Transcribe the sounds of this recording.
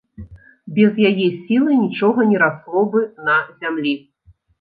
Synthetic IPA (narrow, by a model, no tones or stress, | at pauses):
bʲɛzjajɛsʲilˠɨnʲit͡ʂɔɣɐnʲɛɾaslˠɔbɨnɐzʲamlʲi